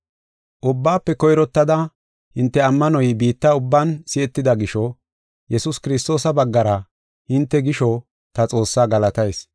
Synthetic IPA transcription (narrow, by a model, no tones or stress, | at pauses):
ʔʊbːaːpːɛkɔjɾɔt̪ːɐd̪ɐ | hɪnt̪ːɛɐmːɐnɔjbiːt̪ːɐʊbːaːnsɪɛt̪ːɪd̪ɐɡɪʃɔ | jɛsʊskɪɾɪst̪o̞ːsɐbɐɡːɐɾɐ | hɪnt̪ːɛɡɪʃɔ | t̪ɐt͡sʼo̞ːsːaːɡɐlɐt̪ɐjs